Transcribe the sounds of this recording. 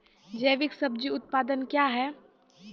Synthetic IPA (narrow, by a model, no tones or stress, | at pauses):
d͡ʒeːʋɪksɐb̚d͡ʒiʊt̪̚paːd̪ənkjaːɦɛː